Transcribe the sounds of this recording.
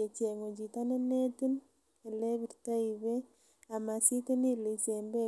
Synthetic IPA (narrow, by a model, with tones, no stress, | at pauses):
e˨t͡ʃe˨ŋo˨d͡ʒi˨ta˦nene˦tin | e˨le˦βi˨ɾta˦iβe˦ | a˨ma˨si˦te˦ni˦li˨sembe